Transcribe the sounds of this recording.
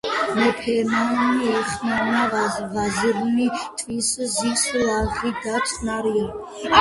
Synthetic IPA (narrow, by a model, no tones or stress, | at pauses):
mɛpʰɛmaniɛχmanaʁazʁaziɾnit̪ʰʼviszislaʁiɡat͡ʃʰʼnaɾia